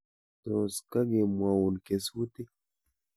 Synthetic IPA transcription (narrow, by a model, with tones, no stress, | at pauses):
t̪o˨ska˦ɡe˨mwa˨wu˨nke˨swu˦t̪i˦